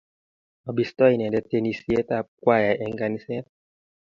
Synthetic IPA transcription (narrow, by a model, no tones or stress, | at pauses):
ɔbistɔinɛndɛtɛnisiɛtakwajaʔɛŋɡanisɛt